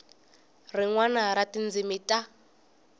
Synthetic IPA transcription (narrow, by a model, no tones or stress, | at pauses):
riŋwanaɾatind͡zimitʼa